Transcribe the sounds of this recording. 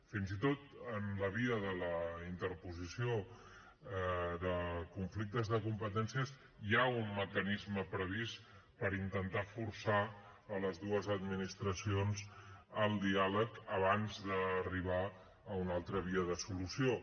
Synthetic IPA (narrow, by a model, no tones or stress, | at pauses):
finzit̪ot̪ənləβ̞iəðələint̪əɾpuzisio | ðəkuɱflik̚t̪əzðəkumpət̪ɛnsiəs | jaunməkənizməpɾəβispəɾint̪ənt̪afuɾsa | ələzðuəzəd̪minist̪ɾəsionzəlˠd̪ialəkəβ̞anzðəːriβ̞aː | unalˠt̪ɾəβ̞iəðəsulusio